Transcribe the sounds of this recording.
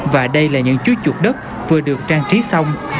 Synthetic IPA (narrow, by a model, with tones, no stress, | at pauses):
vaː˨˩ɗə˧jlaː˨˩ɲɨ̰˧˥ŋt͡ɕu˨˦t͡ɕu˨˩t̚ɗə˦˥t̚ | vɨ˨˩əɗɨ˨˩ək̚t͡ɕaː˧ŋt͡ɕi˨˦sa˧wŋ͡m